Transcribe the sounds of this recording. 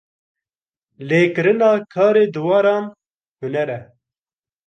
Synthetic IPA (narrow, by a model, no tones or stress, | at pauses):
leːkɨɾɨnɑːkʰɑːɾeːd̪ɨwɑːɾɑːn | hunɛɾɛ